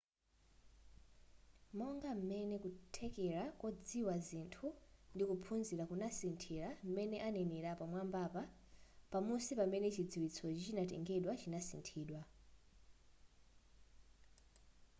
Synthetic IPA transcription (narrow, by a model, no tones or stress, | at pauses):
mɔŋɡam̩mɛnɛkutʰɛkɛɾakɔd͡ziwazintʰundikupʰunziɾakunasintʰiɾam̩mɛnɛʔanɛnɛɾapamwambapa | pamusipamɛnɛt͡ʃid͡ziwit͡sʰɔt͡ʃt͡ʃinatɛ̰ŋɡɛɗwat͡ʃinasḭntʰiːɗwa